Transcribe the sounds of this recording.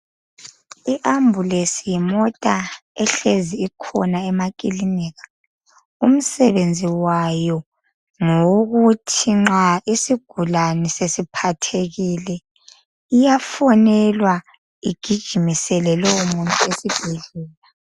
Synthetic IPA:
iʔambʱulesijimɔtʼaɛɬeziːkʰɔnaɛmakʼiliniɣḁ | um̩sɛβend͡zʱiwajɔ | ŋoɣutʰiŋ͡ǁaisiɡ̥ʱulanɛsesipʰatʰeɣilɛ | ijafɔnɛlwa | iɡ̥ʱid̥ʒ̥ʱimisɛlɛlɔumuntʼuesib̥ʱɛɮɛːla

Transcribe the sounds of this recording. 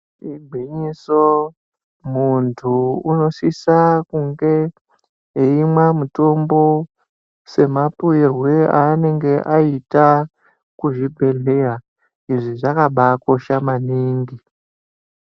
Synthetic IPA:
ibʱiɲiso | muntʰuuno̞sisakuŋɡe̞ | ɦeimwamuto̞mbo̞ | se̞mapuirweane̞ŋɡe̞ʔaita | kuʐibʱe̞ɮe̞ja | iʐiʐakaɓako̞ʃamaniːŋɡi

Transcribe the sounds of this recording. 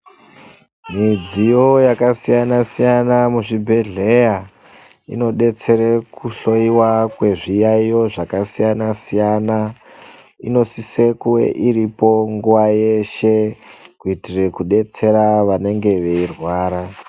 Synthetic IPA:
mid͡zijo̞jakasijanasijanamuʐibʱe̞ɮe̞ja | ḭno̞ɗe̞t͡se̞ɾekʰuɬo̞iwakwe̞ʐijaijo̞ʐakasijanasijana | ino̞sisekuwḛʔiɾipo̞ŋɡuʋaje̞ʃe̞kuitire̞kuɗe̞t͡se̞ɾaʋane̞ŋɡe̞ʋe̞irwaːɾa

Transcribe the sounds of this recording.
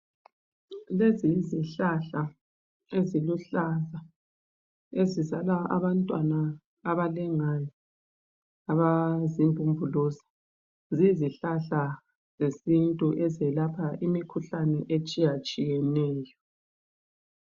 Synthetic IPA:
leziziɬaɬa | eziluɬaza | ezizalaa̰βantʼwanaː | βalɛŋajɔ | aβazimbʱʼumbʱuluzḁ | ziziɬaɬa | zesintʼuʔɛzɛlapʰaʔimikʰuɬanɛʔet͡ʃʼijat͡ʃʼijɛnɛːjɔ

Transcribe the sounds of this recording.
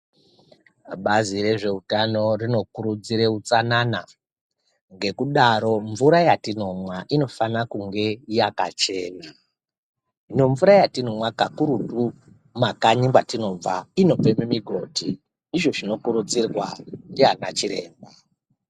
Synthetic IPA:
ɓazire̞ʐe̞utano̞rino̞kuɾud͡ziɾe̞ut͡sanana | ŋɡe̞kuɗaɾo̞ɱvuɾajatino̞mwaʔino̞fanakuŋɡe̞ijaka̰t͡ʃe̞ːna | ino̞ɱvuɾajatino̞mwakakuɾutu | makaɲiŋbwatino̞b͡va̰ino̞b͡vememiɡʱo̞tʰi | iʐo̞ʐino̞kuɾud͡zirwandiana̰t͡ʃiɾe̞̰ːmba

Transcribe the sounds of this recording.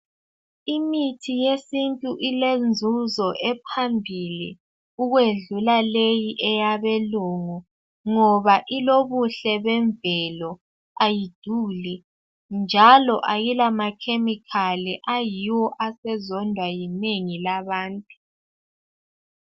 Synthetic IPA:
imitʰijesintʼuʔilend͡zʱuzɔʔɛpʰambʱilḭ | uɣweɮulalejiʔɛjaβɛluŋɔ | ŋɔβaʔiloβuɬɛβɛɱvɛlɔ | ajid̥ʱuli | nd͡ʒʱalɔʔajilamakʰemikʰaliʔajiwɔʔasɛzɔndʱwajineŋilaβaːntʼu

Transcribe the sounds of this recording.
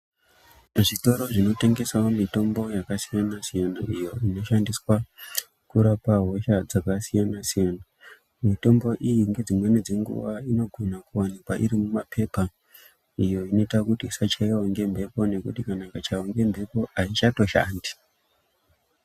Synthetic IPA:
ʐito̞ɾo̞ʐino̞te̞ŋɡe̞saomito̞mbo̞jakasijanasijanaʔijo̞ino̞ʃandiswa | kuɾapaɦo̞ʃad͡zakasijanasijana | mito̞mbo̞ʔijiŋɡe̞d͡zimwe̞ned͡zeŋɡṵʋaino̞ɡʱo̞nakuwanikwaʔiɾimumapʰe̞pa | ijo̞ino̞itakutisat͡ʃaiwoŋɡe̞mbʱe̞po̞ne̞kutikanakat͡ʃaoŋɡe̞mbʱe̞po̞ait͡ʃato̞ʃa̰ːndi

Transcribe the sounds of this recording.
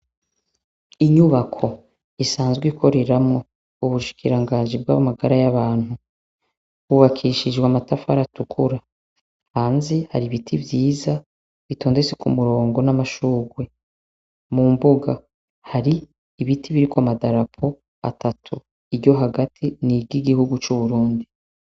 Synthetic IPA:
iɲuβakʰo̞ | isaːnzɡwikʰo̞ɾe̞ɾamŋo̞ | uβuʃi̥kʰiɾaŋɡaːnʒib̚ɡa̰βamaɡaɾajaβaːn̥hu | kuβakʰiʃid͡ʒɡwamatafa̰ɾatukʰuɾa | haːnzeha̰ɾiβitʰivjiːza | βito̞ːndet͡sekumuɾo̞ːŋɡo̞namaʃuːɡwe̞ | mumbuɡa | haɾiː | βitʰiβiɾikwamadaɾapʰo̞ | a̰tatʰu | iɾɟo̞ɦaɡatʰiniɡiɡihuɡut͡ʃuβuɾuːndi

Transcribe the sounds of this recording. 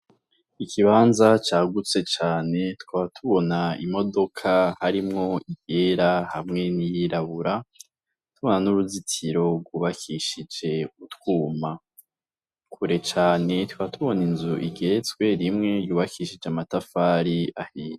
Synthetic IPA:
ikʰiβaːnzat͡ʃaːɡut͡se̞t͡ʃaːne̞twaːβatʰuβo̞naḭmo̞do̞kʰahaɾimŋo̞iɡe̞ɾaha̰mŋe̞nijiɾaβuɾa | tuβo̞nanuɾuzitʰiɾo̞bɡuːβakʰiʃid͡ʒe̞utwuːma | kʰuɾe̞t͡ʃaːne̞twaːβatʰuβo̞ninzuʔiɡe̞t͡swe̞ɾimŋe̞juːβakʰiʃid͡ʒamatafaːɾiahiːne

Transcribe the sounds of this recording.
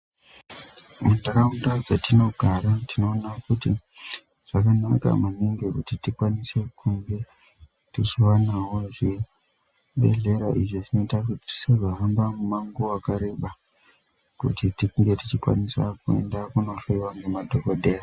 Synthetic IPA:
mundakaundad͡zatino̞ɡʱaɾatino̞ːnakuti | ʐ̥akanaka̰maniŋɡikutitikwanise̞kʰuŋɡe̞ | tit͡ʃiwanawo̞ʐi | ɓe̞̰ɮe̞ɾaʔiʐoʐino̞itakuti̥ti̥seʐoɦambamumaŋɡuakaɾe̞ɓa | kṵtitikuŋɡe̞tit͡ʃikwa̰nisakue̞̰ndakuno̞ɬeiwaŋɡemadʱokodʱeja

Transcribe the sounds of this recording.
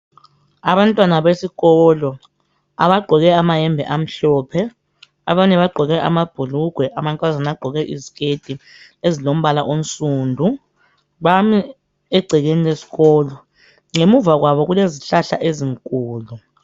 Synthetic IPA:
aβantʼwanaβesiɣɔlɔ | a̰βaɡ͡ǃʱɔɣɛamajɛmbʱɛ̰ʔam̩ɬɔːpʰɛ | aβaɲɛβaɡ͡ǃʱɔɣɛʔa̰mab̥ʱuluɡ̥ʱwɛʔamantʼwazanaɡ͡ǃʱɔɣɛʔiziɣed̥ʱi | ezilom̩βalaʔon̩sʼuːndʱu | βami | ɛɡ͡ǀʱɛɣenilesi̥ɣɔːlɔ | ŋemuvaɣwaβɔɣuleziɬaɬa̰ʔeziŋkʼuːlu

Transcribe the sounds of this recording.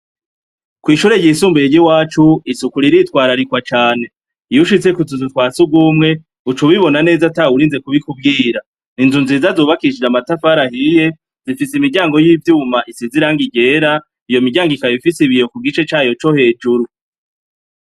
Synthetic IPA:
kwiːʃuɾe̞jɟisuːmbiɾeɟiwaːt͡ʃuisukuɾiɾitwaːɾaɾikwat͡ʃaːne̞ | juʃit͡se̞kuzuzutwaːt͡subɡwuːmŋe̞ | ut͡ʃuβiβo̞nane̞ːzatauɾiːnze̞kuβikub̚ɡiːɾa | ninzunziːzazoːβakiʃid͡ʒamatafaɾahije̞ | zifisimiɟaːŋɡo̞jiːvjumaʔisiziɾaːŋɡiɟe̞ːɾa | ijo̞miɡɟaːŋɡikajoifisiβijo̞kuɡit͡ʃe̞t͡ʃaːjo̞t͡ʃo̞he̞ːd͡ʒuɾu

